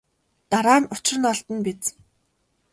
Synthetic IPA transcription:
t̪aɾaːnʊt͡ɕɪ̆r̆nɔɮt̪ə̆npet͡s

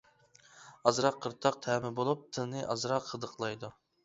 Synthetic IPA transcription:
ɑzɾɑqʰːəɾt̪ʰɑq̚t̪ʰɛːmɪbolˠup̚t̪ʰɨnɨʔɑzɾɑqqʰəd̪əqʰlˠɑjd̪u

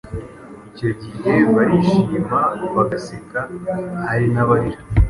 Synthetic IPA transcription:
ico̞ɟihe̞βaɾiʃiːmbaβaɡasekahaɾinaβaɾiɾa

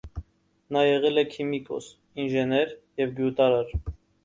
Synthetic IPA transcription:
nɑjɛʁɛlɛkʰimikʰɔ̰s | inʒɛnɛɾjɛvɡjut̪ɑɾɑɾ

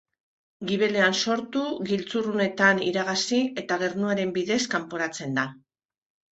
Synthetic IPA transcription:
ɡiβe̞le̞anso̞ɾt̪uɣilt͡surune̞t̪aniɾaɣasie̞t̪aɣ̞e̞ɾnuaɾe̞mbiðe̞skampoɾat͡se̞nd̪a

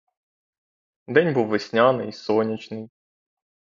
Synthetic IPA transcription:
d̪ɛnʲbuwʋɪsʲnʲɑnɪjisɔnʲit͡ʃnɪj

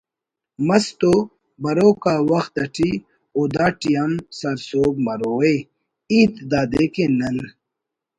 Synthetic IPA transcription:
mɐst̪o | bɐɾoːkaːwɐxt̪ɐʈʰi | oːd̪aːʈijɐmsɐɾsoːb̚mɐɾoːe | iːt̪d̪aːd̪ekenɐn

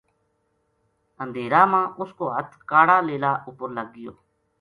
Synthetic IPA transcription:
ənd̪ʱeːɾaːmãːʔʊskoːɦət̪ʰkaːɽaːleːlaːʔʊpəɾləɡːɪjo̰ː

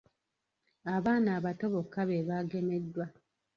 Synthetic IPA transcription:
aβaːnaːβato̞βo̞kːaβe̞βaɡe̞me̞dːwa

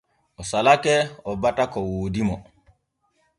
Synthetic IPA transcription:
ʔɔsalakɛɔbatakɔwoːdimɔ

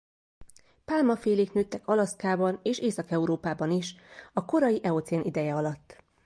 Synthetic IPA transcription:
paːlmɒfeːleːknøːt̪ːɛkɒlɒskaːbɒneːʃeːsɒkɛuɾoːpaːbɒniʃɒko̞ɾɒjiʔɛot̪sɛnid̪ɛjɛɒlɒt̪ː

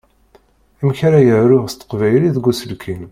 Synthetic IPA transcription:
æmçɾajəʕɾʊʁst̪ə̥qvæjliðɡusəlkʰin

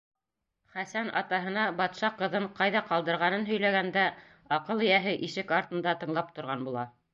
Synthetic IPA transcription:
χæsænʔɑ̰t̪ɑɦɤ̆nɑbɑt̪ʃɑqɤ̆ðɤɴqɑjðɑqɑlˠd̪ɤ̆ɾʁɑnɤnɦɵ̆jlæɡænd̪æ | ɑqɤlˠɘ̆jæɦɘʔiʃɘkɑɾt̪ɤ̆nd̪ɑt̪ɤ̆ɴlˠɑp̚t̪ŏɾʁɑnbulˠɑ

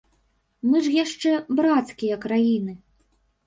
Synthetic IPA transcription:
mɨʐjaʂt͡ʂɛbɾat̪skʲijɐkɾajinɨ

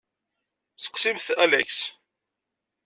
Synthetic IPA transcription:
θə̥qsimθælæ̰ks

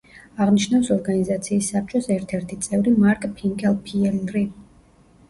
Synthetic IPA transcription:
aʁniʃnafsɔɾɡanizat̪sʰiːsːap̚t͡ʃʼɔsɛɾt̪ʰɛɾt̪ʰit̪sʼɛvɾimaɾkʼpʰiŋkʼɛlˠpʰiɛlɾi

